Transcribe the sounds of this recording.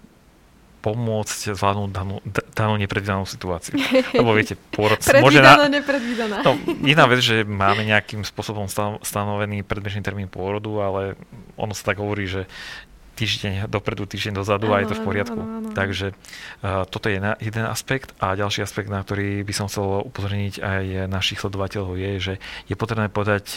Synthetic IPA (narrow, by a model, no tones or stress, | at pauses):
pɔmʊɔt͡sczʋlaːd̪nud̪anuːd̪anuːɲɛpɾɛd̪ʋiːd̪anuːsi̥t̪uaːt͡siulɛbɔʋɪɛcɛpʊɔɾɔsɾɔʒɛnaɲɛpɾɛd̪ʋid̪ananɔɛnaːʋɛd͡zʒɛmaːmɛɲɛakimspʊɔsɔbɔmsst̪anɔʋɛniːpɾɛd̪bɛʒniːt̪ɛɾmiːnpʊɔɾɔd̪ualɛɔ̰nɔsḁt̪aɡɦɔʋɔɾiːʒɛ | t̪iːʒɟɛɲd̪ɔpɾɛd̪ut̪iːʒɟɛɲd̪ɔzad̪uajɛt̪ɔfpɔɾɪat̪kut̪aɡʒɛ | t̪ɔt̪ɔjɛjɛnajɛd̪ɛna̰spɛkt̪aɟalʃiːaspɛɡ̚t̪nakt̪ɔɾiːbisɔmxt͡sɛlupɔzɔɾɲiɟajnaʃixslɛd̪ɔʋacɛʎɔʊjɛʒɛjɛpɔt̪ɾɛbnɛːpɔʋɛd̪ac